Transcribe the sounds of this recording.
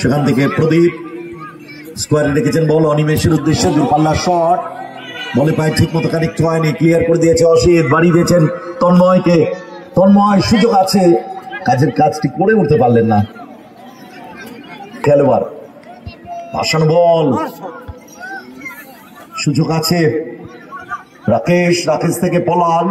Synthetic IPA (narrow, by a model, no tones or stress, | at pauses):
ʃekʰant̪ʰekepɾod̪id̪̚ | skwaɾeɾekʰet͡ɕʰenbɔlɔnimeʃeɾud̪ːeʃːed̪uɾpalːaɾʃɔʈ | bolepaeʈʰikmɔt̪okanek̚ʈuɦɔenikliaɾkoɾed̪ijet͡ɕʰeɔʃit̪̚baɽid̪iet͡ɕʰent̪ɔnmɔjket̪ɔnmɔjʃud͡ʑoɡat͡ɕʰekad͡ʑeɾkad͡ʑʈʰik̚poɽeuɾt̪epaɾlenːa | kɛloaɾ | ba̰ʃanobɔl | ʃud͡ʑoɡat͡ɕʰe | ɾakeʃɾakest̪ʰekepɔlan